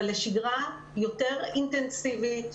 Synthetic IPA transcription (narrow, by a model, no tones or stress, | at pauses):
leʃiɡʁa | jote̞ʁint̪ensivit̪